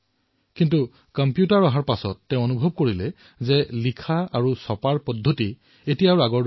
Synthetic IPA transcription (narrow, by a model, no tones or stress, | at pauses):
kintu | kɔmpjutaɹɔɦaɹpasɔtːɛ̃ʊ̃onubʱɔb̚koɹilɛ | zɛlikʰaaɹusɔpaɹpɔdʱːoti | etijaɹaɡɔɹ